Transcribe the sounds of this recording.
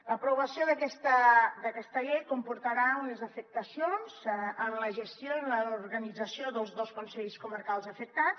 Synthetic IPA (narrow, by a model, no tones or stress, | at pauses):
ləpɾuβəsioðəkɛst̪əd̪əkɛst̪əʎejkumpuɾt̪əɾaunəzəfək̚t̪əsionzənləʒəst̪jonləuɾɣənid͡zəsioðəlˠzðoskunsɛʎskuməɾkalˠzəfək̚t̪a